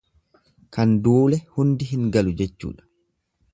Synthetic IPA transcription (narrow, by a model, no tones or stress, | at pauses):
kʰɐnd̪uːlɛhʊnd̪ɪɦɪŋɡɐlʊd͡ʒɛt͡ʃːṵːᶑɐ̥